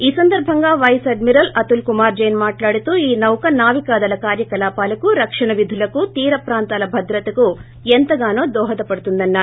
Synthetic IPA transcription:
iːsɐnd̪ɐɾbʱɐŋɡɐʋɐjseɖmiɾɐlɐt̪ulkumaːɾd͡ʒɐjnmaːʈlaːɽit̪uiːnɐwkɐnaːʋikaːd̪ɐlɐkaːɾjɐkɐlaːpaːlɐkuɾɐkʂɐɳɐʋid̪ʱːulɐkut̪iːɾɐpɾaːnt̪aːlɐbʱɐd̪ɾɐt̪ɐku | ent̪ɐɡaːnoːd̪ɔːɦɐd̪ɐpɐɽut̪und̪ɐnːa

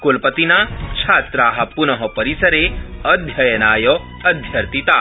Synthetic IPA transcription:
kolpət̪inat͡ʃʰaːt̪ɾaːɦɐpunɐɦɔpɐɾisɐɾeɐd̪ʱjɐjɐnaːjɔ | ɐd̪ʱjɐɾt̪it̪a

